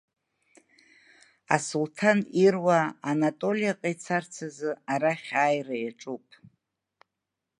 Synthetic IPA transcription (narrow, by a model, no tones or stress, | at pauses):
a̰sultʰanirwaːnatʼo̞lijaqʼajt͡sʰart͡sʰazɨaɾaχʲaːjraaʈ͡ʂʼupʼ